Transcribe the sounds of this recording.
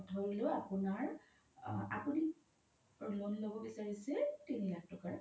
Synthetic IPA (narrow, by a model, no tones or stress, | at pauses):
ɔtʰɔɹuleapunaɹ | a̰puni | lonlobɔbisaɹisɛtinilak̚tɔkaɹ